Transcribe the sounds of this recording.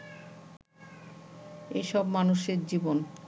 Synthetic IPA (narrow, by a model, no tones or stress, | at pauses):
ḛʃɔbmanuʃeɾd͡ʑibon